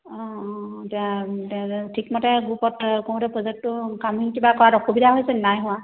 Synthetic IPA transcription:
ɔ̃tɛã | tʰikmɔtɛɡupɔtkõw̃dɛpʰɹɔzɛk̚tːʊkamɦinkibakɔɹatɔxubidʱaɦojsɛnajɦʊ̃wa

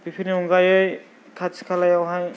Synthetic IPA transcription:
bipʰiniuŋɡajɯj | kʰat͡ʃʰkʰalajawɦaj

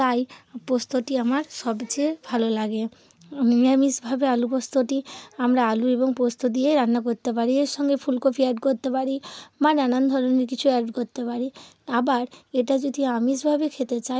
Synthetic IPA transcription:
t̪ajpost̪ʰoʈiamaɾʃɔbt͡ɕebʱalolaɡe | miamisbʱabealupost̪ʰoʈiamɾaalueboŋpost̪ʰod̪ieɾanːak̬oɾt̪ep̬aɾieɾʃɔŋɡepʰulkopʰiɛɖkoɾt̪epaɾimaɾnanand̪ʱɔɾoneɾkit͡ɕʰuɛɾɖkoɾt̪epaɾi | abaɾeʈad͡ʒod̪ʱiamisbʱabekʰet̪et͡ɕa

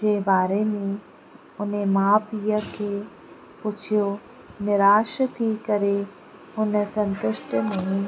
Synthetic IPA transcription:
d͡ʒeːbaːɾemẽ | ʊnẽmaːpijəke | put͡ʃʰijo | nɪɾaːʃət̪ʰikəɾe | ʊnesə̃nt̪ʊʃʈənɐɦĩ

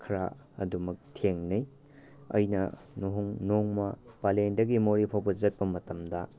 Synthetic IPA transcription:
kʰɾa | ɐ̰dumɐk̚tʰeŋnij | ɐ̰jnɐ̰ | noɦuŋnoŋmɐpalendɐɡimoɾipʰawbɐzɐt̚pɐmɐtɐmdɐ

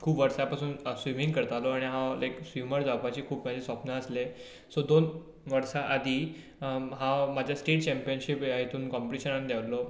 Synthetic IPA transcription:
kʰuːpʋəɾsapasuːnsʋimĩŋɡkəɾt̪alɔaɽ̃iɦãlajksʋiməɾd͡zapat͡ɕiːkʰuːpmad͡ʑʱesapnaəsle | sod̪on | ʋəɾsaʔad̪ʱiː | ɦãmad͡ʑʱjasʈeʈ̚t͡ɕɛmpijənɕipjaɦet̪uːnkɔmpʈiɕənand̪ʱaʋlɔ

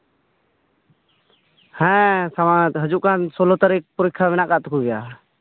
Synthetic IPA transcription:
hɛ̃samat̪ɦəd͡ʒuʔkansɔlɔt̪aɾik̚puɾikʰːamɛnaʔkaʔt̪ukʰuɡɛja

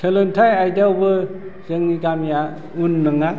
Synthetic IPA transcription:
tʰelɯntʰajajdawbɯ | z̥ɯŋniɡamja | unːɯŋa

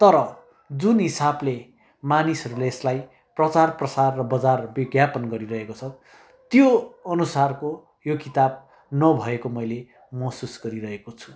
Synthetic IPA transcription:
t̪ʌɾʌ | d͡zunɦisable | manisʌɾuleːslaj | prʌt͡sarprʌsarːʌbʌd͡zarbiɡjapʌnɡʌɾiɾʌɦekot͡sʰʌ | t̪joʌnusarko | jokit̪ab̚ | nʌbʱʌekomʌjle | mʌsusɡʌɾiɾʌɦekot͡sʰu̥

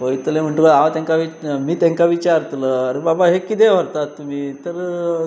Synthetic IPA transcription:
oit̪əlem̤əɳʈ̪ukaaʋt̪ãŋkaʋimiːt̪jãŋkaʋit͡ɕaɾt̪ləaɾebabaɦekit̪eʋəɾt̪at̪ːum̤iːt̪əɾ

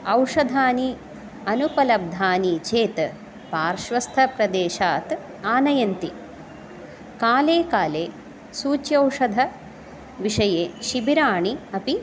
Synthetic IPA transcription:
ɐwʂɐd̪ʱaːni | ɐnupɐlɐb̚d̪ʱaːnit͡ʃeːt̪ | paːɾʃʋɐst̪ʰɐpɾɐd̪eːʃaːt̪ | aːnɐjɐnt̪i | kaːleːkaːleː | suːt͡ʃjɐwʂɐd̪ʱɐ | ʋiʂɐjeːʃibiɾaːɳiɐpi

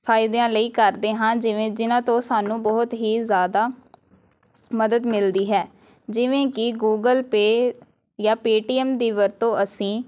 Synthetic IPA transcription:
pʰaːɪd̪ãːləiːkəɾd̪eːɦãːd͡ʒɪʋẽːd͡ʒɪnãːt̪õːsaːnũːbɔːʊt̪ɦiːzjaːd̪aː | məd̪əd̪mɪld̪iːɦɛː | d͡ʒɪʋẽːkɪɡuːɡəlpeː | jãːpeːʈiːɛːmd̪iːʋəɾt̪õːʔəsĩː

